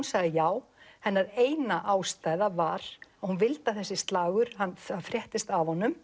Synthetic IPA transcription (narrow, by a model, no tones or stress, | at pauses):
unsaɣðɪjaːw | hɛnːaɾeːjnaʔaːwst̪aːjðavaɾ̥aðhunvɪlt̪aθɛsːɪst̪laːɣʏɾ̥hanafɾjɛht̪ɪst̪avhɔnːʏm